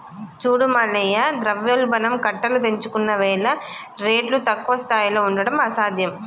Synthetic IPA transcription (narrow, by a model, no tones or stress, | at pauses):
t͡ʃuːɽumɐlːɐjɐd̪ɾɐʋjɐlbɐnɐmkɐʈːɐlut̪eɲt͡ʃukunːɐʋɛːlɐ | ɾeːʈlut̪ɐkːʋɐst̪ʰaːjiloːuɳɖɐɽɐmɐsaːd̪ʱjɐm